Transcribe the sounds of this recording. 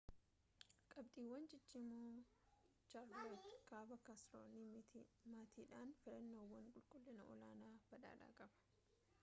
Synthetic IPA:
kʼɐbt̪ʼiːwːɐnd͡ʒɪt͡ʃːɪmoː | t͡ʃaɾod̪kaːbɐkasɾo̰nit̪ʰmaːt̪ʰiːᶑaːnfɪlɐnːoːwːɐŋkʼʊlkʼʊlːɪnɐʔɔ̰laːnaːb̥ɐᶑa̰ːᶑa̰ːkʼɐbɐ̥

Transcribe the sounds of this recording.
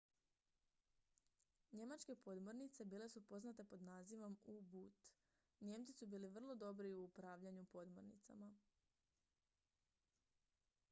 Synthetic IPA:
ɲe̞mat͡ʃke̞po̞d̪mo̞ɾnit̪se̞biːle̞supo̞znat̪e̞po̞d̪naːziʋo̞mubut̪ | ɲe̞ːmt̪sisubiːliʋr̩lˠo̞d̪o̞bɾiuupɾaːʋʎaɲupo̞d̪mo̞̰ɾnḭt̪sa̰ma

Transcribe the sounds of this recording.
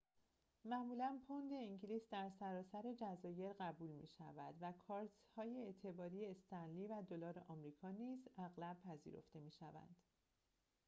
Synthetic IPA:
mæmuːlænpʰond̪e̞iŋɟiliːsd̪æɾsæɾɒːsæɾe̞d͡ʒæzɒːje̞ɾɢæbuːlmḭːʃæ̰væd̪vækʰɒːɾt̪hɒːjeet̪ʰe̞bɒːɾijeːst̪ænliːvæd̪olɒːɾeʔɒmɾiːkʰɒːniːzæɣlæb̚pʰæzḭːɾo̞̰ft̪e̞miːʃævæ̰nd̪̥

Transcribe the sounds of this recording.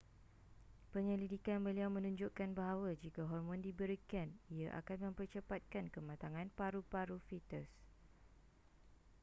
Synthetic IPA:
pəɲə̃lidikanbəliawmə̃nũɲd͡ʒʊʔkanbaɦawad͡ʒikaɦɔrmɔ̃ndibəɾikaniaʔa̰kanmə̃mpərt͡ʃəpat̪̚kankəmãt̪aŋãnpaɾupaɾufit̪əs

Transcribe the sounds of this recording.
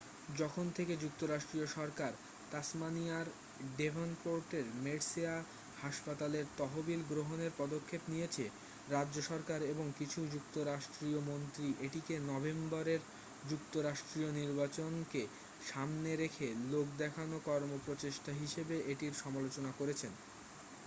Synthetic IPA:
d͡ʑɔkʰont̪ʰeked͡ʑuk̚t̪oɾaʃʈɾioʃɔɾkaɾ | t̪asmaniaɾ | ɖebʱonpoɾʈeɾmeɽsia | haʃpat̪aleɾt̪ɔɦobilɡɾoɦoneɾpɔd̪okʰːepnijet͡ɕʰe | ɾadʑoʃɔɾkaɾeboŋkit͡ɕʰud͡ʑukt̪oɾaʃʈɾiomont̪ɾiʔeʈikenɔbembɔɾeɾ | d͡ʑuk̚t̪oɾaʃʈɾioniɾbat͡ɕonke | ʃamneɾekʰelok̚d̪ɛkʰanokɔɾmopɾot͡ɕeʃʈaɦiʃebeʔeʈiɾʃɔmalot͡ɕonakoɾet͡ɕʰen

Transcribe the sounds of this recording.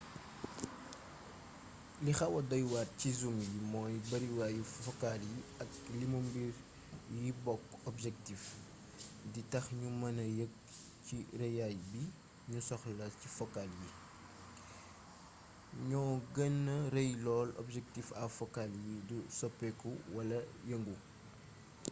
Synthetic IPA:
lixɐwɐdɔjwaːt̚cizumjimɔːjbɐɾiwajifɔkaljiɐk̚limumbiɾ | jibɔkɔbʒɛk̚tif | ditɐxɲumɐnɐjək̚ | cirɐjajbi | ɲusɔxlɐcifɔkalji | ɲɔːɡənːɐɾejlɔːlɔ̰bʒɛk̚tifa̰fɔkaljidusɔpːɛkuwɐlɐjəŋɡu

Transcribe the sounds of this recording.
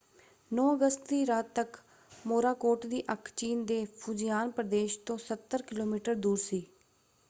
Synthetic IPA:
nɔ̃ːəɡəst̪d̪iːɾaːt̪ːək | moːɾaːkoːʈd̪iːʔəkʰt͡ʃiːnd̪eːpʰud͡ʒɪjaːnpɾəd̪eːʃt̪õːsət̪ːəɾkɪloːmiːʈəɾd̪uːɾsiː

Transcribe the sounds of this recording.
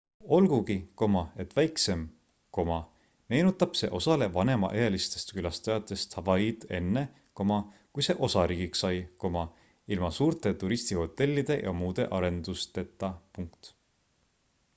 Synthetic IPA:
o̞lɡ̥uɡiko̞mɑe̞t̪ːvæjkse̞m | ko̞mɑ | me̞ːnut̪ˑːɑb̥se̞̰ʔo̞sɑle̞vɑne̞mɑ̰ʔeelist̪e̞st̪kylɑst̪ɑjɑt̪ːˑe̞st̪hɑvɑid̪̥e̞̰nːe̞ | ko̞mɑkujse̞ʔo̞sɑɾiːɡiksɑjko̞mɑ | ilmɑsuːɾt̪ˑe̞t̪uɾist̪iho̞t̪ːˑe̞lʲːid̪̥e̞jʔɑ̰muːd̪̥e̞ʔɑɾe̞nd̪ust̪e̞t̪ːˑɑpuŋkt̪

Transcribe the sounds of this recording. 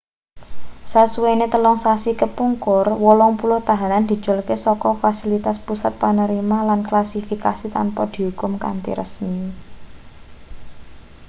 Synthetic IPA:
sasuwenet̪əlɔŋsasikəpuŋkʊrwɔlɔŋpulʊht̪aɦanand̪̥i̤̥d͡ʒ̥olkesɔkɔfasilit̪aspusat̪̚panəɾimalanklasifikasit̪a̰npɔd̪̥i̤ɦukʊmka̰nt̪ḭɾʔə̰smi

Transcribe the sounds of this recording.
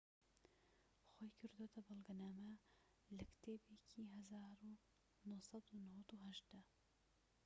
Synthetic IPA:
xoːjkʰɨɾd̪ot̪ʰɐbɑlˠɡɐnaːmɐ | lɐkt̪ʰeːbecʰiɦɐzaːɾu | nohsɑd̪unɐwɐt̪uɦɐʒd̪ɐ

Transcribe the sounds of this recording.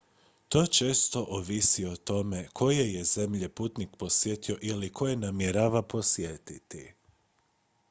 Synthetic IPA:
t̪o̞t͡ʃe̞ːst̪o̞ʔoʋisiot̪o̞me̞kʰo̞je̞je̞ze̞mʎe̞puːt̪nikpo̞sje̞t̪io̞ʔilikʰo̞jenamjeɾaːʋapo̞sjet̪it̪i

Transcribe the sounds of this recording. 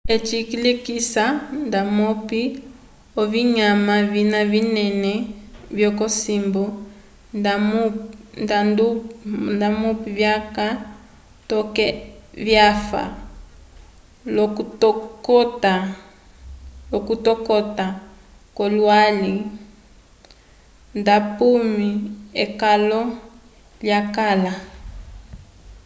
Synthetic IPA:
et͡ʃikilekisandamɔpi | ɔviɲamavinavinɛnɛvjɔkɔsimbɔ | damndandundamupivjaka | tɔkɛvjafa̰ | lɔtɔkɔta | lɔkutɔkɔta | kɔlwali | ndapumiɛkalɔ | ljakala

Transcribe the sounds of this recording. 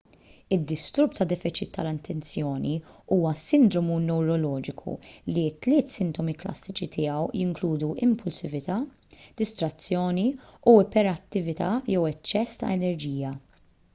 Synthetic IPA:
ɪd̪ːɪst̪ʊɾpt̪ɐd̪ɛfɪt͡ʃɪt̪ʰːɐlɪnt̪ʰɛnt͡sjɔːniuːwɐsɪnd̪ɾɔmunɛwɾɔlɔːd͡ʒɪkʰṵlit̪ːlɪːt̪sɪnt̪ɔmiklɐ̰sːɪt͡ʃit̪ʰɪːɐwjɪŋkluːd̪uʔɪmpʊlsɪvɪt̪ɐː | d̪̥ɪst̪ɾɐt͡sːjɔːniuɪpɛɾɐt̪ːɪvɪt̪ɐjɛwɛt͡ʃːɛst̪ɐ̰ɛnɛɾd͡ʒiːjɐ

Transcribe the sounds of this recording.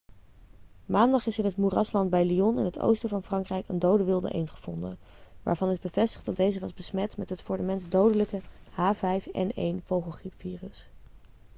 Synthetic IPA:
maːndɑχɪsɪnɦət̚murɑslɑnd̚bɛjliɔnɪ̰nɦətʰo̰wstəvɑnfrɑŋkrɛjkəndowdəʋɪlˠdə̰ʔḛjnχəv̥ɔ̰ndə̰ | ʋa̰ːɹvɑnɪzbəv̥ɛstə̥χtdɑdejzəʋɑzbəsmɛtmɛtɦətfʊːɹdəmɛnzdowdələkə | haːvɛjfɛ̰nḛjnv̥owχəlˠχipfiːrəs

